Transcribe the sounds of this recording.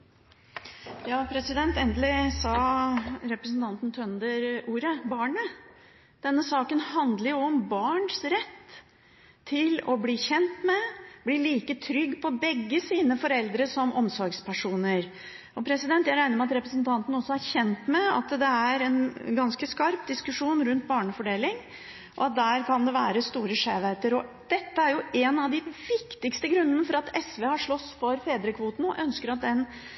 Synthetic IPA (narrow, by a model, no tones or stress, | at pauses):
jɑːpʰɾɛsɪd̪ɛnt̪ɛnd̪əlɪsɑ | ɾɛpɾəsnt̪ɑnt̪n̩t̪ʰœnd̪əɾuːɾəbɑːɳə | d̪̥ɛnːəsɑːkənhɑnd̪ləɾjʊɔmbɑːɳʂɾɛt̪ːʰ | ɪlɔbliːçɛnt̪mɛb̥liːɭiːkət̪ʰɾʏɡːpʰɔbɛɡːəsiːnəfɔɾɛld̪ɾəsɔmʔɔmsɔɾɡspʰæʂuːnəɾ | ɔpʰɾɛsɪd̪ɛnt̪jæɪɾæɪnəɾmɛɑt̪ɾɛpɾəsənt̪ʰɑnt̪ən̩ɔsːɔæɾçɛnt̪mɛɑ̰t̪d̪ɛæɾɛnɡɑnskəskɑɾp̚d̪ɪskʉʂuːnɾʉnt̪̚bɑːɳəfɔɖeːlɪŋ | ʔɔ̰ɑt̪̚d̪æːɾkʰɑnd̪ɛʋæːɾəst̪uːɾəʂeːʋet̪əɾɔ | d̪̥ɛt̪ːəæɾjʊɛnɑʋd̪ɪʋɪkt̪ɪkst̪əɡɾʉnːənəfɔɾɑt̪ʰɛsʋeːhɑʂɭɔsːfɔɾfeːd̪ɾəkʰʋuːt̪n̩ɔʔœnskəɾɑt̪̚d̪ɛn